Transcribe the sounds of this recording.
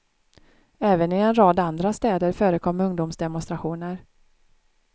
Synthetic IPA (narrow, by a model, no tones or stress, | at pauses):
ɛːvənɪɛnɾɑːd̪and̪ɾast̪ɛːd̪əɾfœːɾəkʰɔmːɵŋd̪ʊmsd̪ɛmʊnst̪ɾaɧuːnəɾ